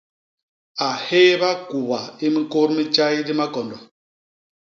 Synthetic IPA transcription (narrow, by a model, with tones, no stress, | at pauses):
a˨he˦βa˦ku˨βa˨i˦mi˦ko˦ɾmi˦t͡ʃa˦i˦ɾi˦ma˦ɡɔ˨ndɔ˨